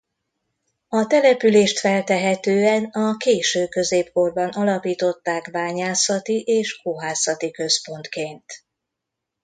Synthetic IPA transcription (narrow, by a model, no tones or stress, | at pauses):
ɒt̪ɛlɛpyleːʃt̪fɛlt̪ɛɦɛt̪øːɛnɒkeːʃøːkø̞zeːpko̞rbɒnʔɒlɒpiːt̪o̞t̪ːaːkbaːɲaːsɒt̪iʔeːʃoɦaːsɒt̪ikø̞spo̞nt̪keːnt̪